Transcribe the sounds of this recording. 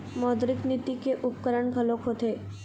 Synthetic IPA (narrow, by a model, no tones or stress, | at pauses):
mɔːd̪ɾɪknit̪ikeʔʊp̚kəɾəɳɡʱəlokɦoːt̪eː